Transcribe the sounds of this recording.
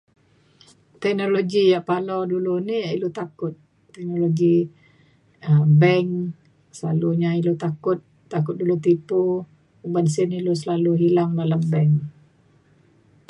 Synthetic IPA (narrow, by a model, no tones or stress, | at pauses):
t̪ɛk̚noloɡijaʔpaladuluniailut̪akʊt̪̚ː | ɛk̚noloɡi | əbɛŋ | səlaluɲailut̪akʊt̪̚ːak̬ʊt̪̚dulut̪̬ipu | əbansɪnilus̬əlaluɦilaŋdalambɛŋ